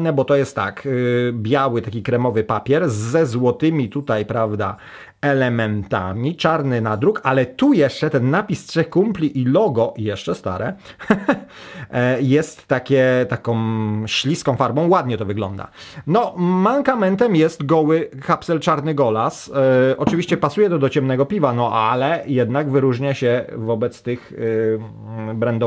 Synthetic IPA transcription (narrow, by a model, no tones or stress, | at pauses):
nɛbɔt̪ɔjɛst̪tːa̰kbʲjawɘt̪akʲikɾɛmɔvɘpapʲjɛɾzːɛzwɔt̪ɘmʲit̪ut̪ajpɾavd̪a̰ | ɛlɛmɛnt̪a̰mʲit͡ʂaɾnɘnad̪ɾukalɛt̪ujɛʂt͡ʂɛt̪ɛnːapʲist̪ʂɛxkumplʲiʔilɔɡɔjɛʂt͡ʂɛst̪a̰ɾɛ | jɛst̪ːakʲɛt̪akɔ̃w̃ɕlʲiskɔ̃w̃faɾbɔ̃w̃wad̪ɲɛt̪ɔvɘɡlɔ̰nd̪a̰nɔmaŋkamɛnt̪ɛmjɛst̪ɡɔwɘkapsɛlt͡ʂaɾnɘɡɔlasʔɔt͡ʂɘvʲiɕt͡ɕɛpasujɛt̪ɔd̪ɔt͡ɕɛmnɛɡɔpʲivanɔʔalɛjɛd̪naɡvɘɾuʐɲaɕɛvɔbɛt̪st̪ɘx | bɾɛnd̪ɔ